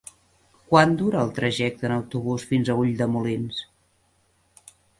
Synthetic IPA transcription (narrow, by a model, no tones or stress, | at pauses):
kwand̪uɾəːlˠt̪ɾəʒɛk̚t̪ənəwt̪uβ̞usfinzəuʎd̪əmulins